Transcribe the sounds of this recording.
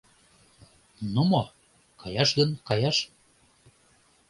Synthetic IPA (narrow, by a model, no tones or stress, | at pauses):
numo | kɑjɑʃɣənkɑjɑʃ